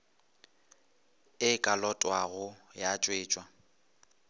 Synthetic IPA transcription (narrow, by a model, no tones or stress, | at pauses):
ɪkʼalɔtʼwaɣʊjat͡ʃʼweːt͡ʃʼwa